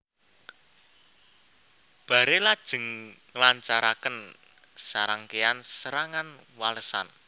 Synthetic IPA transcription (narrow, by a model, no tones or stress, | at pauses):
b̥ä̤ɾelad̥ʒ̥ə̤ŋŋəlaɲt͡ʃaɾakən | saɾaŋkeansəɾaŋanwaləsa̰n